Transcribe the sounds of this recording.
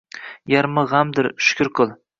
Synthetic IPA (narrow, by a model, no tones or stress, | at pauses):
jaɾmɨʁamd̪ɪɾʃʊ̥kʲʰʊɾqʰɨlˠ